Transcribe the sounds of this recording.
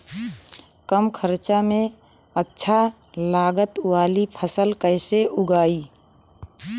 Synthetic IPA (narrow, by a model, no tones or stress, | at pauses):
kəmkʰəɾt͡ʃamẽ | ətːʃʰa | laːɡət̪ʊwaːlipʰəsəlkəɪseʔʊɡaːi